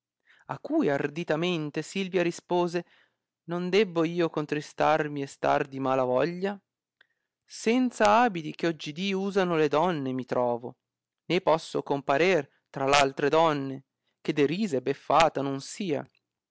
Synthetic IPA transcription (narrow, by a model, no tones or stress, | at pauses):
akːujard̪it̪ament̪esilvjaɾispoːze | nond̪ɛbːoiːokont̪ɾist̪armiest̪a̰rd̪imalavɔʎːa | sɛnt̪saaːbit̪ik̟eɔd͡ʒːid̪iuːzanoled̪ɔnːemit̪ɾʔɔːvo̰ | nepɔsːokompaɾer | t̪ɾalalt̪ɾed̪ɔnːe | k̟ed̪eɾiːzebefːaːt̪anonsiːa̰